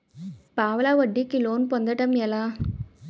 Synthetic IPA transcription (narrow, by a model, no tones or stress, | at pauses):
paːʋɐlaːʋɐɖːikːiloːnpɔnd̪ɐʈːɐmɛlãː